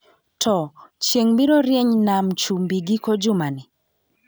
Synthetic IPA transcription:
tʰɔt͡ʃjeŋbiɾoɾjeɲnamt͡ʃumbiɡikod͡ʒʊmanɪ

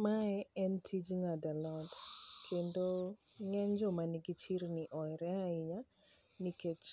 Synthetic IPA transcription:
maɛɛntʰid͡ʒŋadalɔtkʰendo | ŋɛɲd͡ʒɔmaniɡit͡ʃiɾniʔɔjɾɛaiɲa | niket͡ʃ

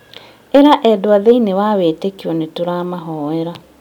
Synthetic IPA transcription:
eɾaʔɛdoaðeinewaweːtekiɔnetoɾaːmaɦɔːɛɾa

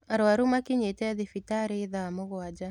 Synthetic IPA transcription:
aɾwaɾumakɪɲetɛðɪfitaɾeðamʊɣwad͡ʒa

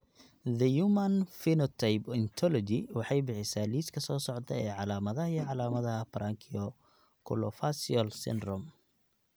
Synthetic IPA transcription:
ðɐjumɐnfinɔt̪ʰajbɪnt̪ʰɔlɔd͡ʒɪwɑħɑjbɪħɪsaːliːskʰɐsɔːsɔʕt̪ʰɐ̰ɛːʕɑlaːmɐðɐɦɐjʕɑlaːmɐðɐɦɐbɐɾʔaːŋkʰɪɔ | kʰʊ̰lɔfasiɔlsɪ̰nd̪rɔm

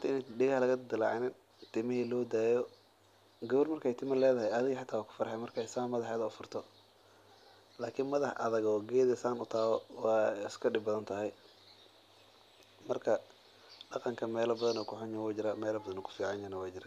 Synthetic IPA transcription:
ʊnt̪ɐɪnɛɖɪɣɐhlɐɣɐd̪ɪlɑ̰ʕnɪn | t̪ʰɪmɐhilɔːd̪aːjɔ | ɡɐβɔrmɐrkʰɛjt̪ʰɪmɐlɛːðɐɦɛjɐðɪɣɐħat̪ʰːaːwaːkʰʊ̥fɐɾħɛmɐrkʰɛsɐmːɐðɐħɛːðɐʊfʊrt̪ʰɔ | laːkʰɪːnmɐðɐħʔɐ̰ðɐɣɔːɡɛːðɛsaːnʊt̪ʰaːɣɔwɑɪskʰɐɖɪbɐðɐnt̪ʰɐɦɛj | mɐrkʰɐ | ɖɑqɑŋkʰɐmɛːlɐbɐðɐnɔːkʰʊħʊnjɐwɛd͡ʒɪɾamɛːlɐbɐðɐnɔkʰʊ̥fiːʕɑnjɐnɐwɛjd͡ʒɪɾa

